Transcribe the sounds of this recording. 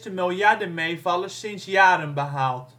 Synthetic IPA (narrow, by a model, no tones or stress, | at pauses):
təmɪlˠjardəmejvɑlˠəsɪnsjaːɾənbəɦalˠt